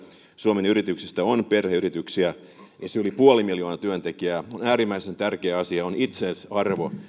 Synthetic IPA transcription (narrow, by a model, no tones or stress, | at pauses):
suomenyrit̪yksist̪æonperheyrit̪yksiæ | jɑseolipuolimiljo̞ːnɑt̪yønt̪ekiæonæːɾimːˑæisent̪ærkeːɑsiɑonit̪sensɑrʋo